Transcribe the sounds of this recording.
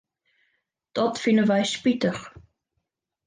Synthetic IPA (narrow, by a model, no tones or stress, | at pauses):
d̪̥ɔt̪finəvajʃpit̪əχ